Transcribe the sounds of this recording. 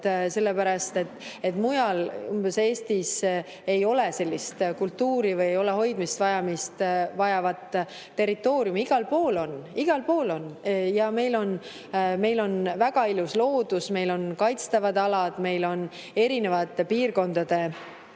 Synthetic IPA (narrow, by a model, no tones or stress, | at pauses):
se̞lːe̞pæɾɑst̪e̞t̪ːe̞t̪ːmujɑlumb̥e̞se̞ːst̪is | e̞jo̞le̞se̞lʲːist̪kult̪ːuːɾivɯjejo̞le̞ɦo̞jd̪̥mist̪vɑjɑmist̪vɑjɑvɑt̪ː | e̞rit̪ːˑo̞ːɾjumiɡ̥ɑlpoːlo̞niɡ̥ɑlpo̞ːlo̞njɑme̞jlo̞n | me̞jlo̞nvæɡ̥ɑiluslo̞ːd̪̥usme̞jlo̞nkɑjt̪st̪ɑvɑd̪ɑlɑd̪̥me̞jlo̞n | e̞ɾine̞vɑt̪ːˑepiːrko̞nd̪̥ɑd̪̥e̞